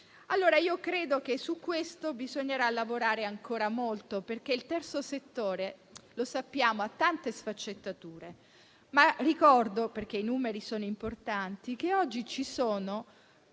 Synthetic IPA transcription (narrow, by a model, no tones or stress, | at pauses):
alːoːɾaiːokɾeːd̪okesukːwest̪obizoɲːeɾalːavoɾaːɾeaŋkoːɾamolt̪operk̟eilt̪ɛrt̪soset̪ːoːɾelosapːjaːmoat̪ːant̪esfat͡ʃːet̪ːat̪uːɾe | marikɔrd̪operk̟einuːmeɾisoːnoimport̪ant̪ik̟eɔd͡ʒːit͡ʃisoːno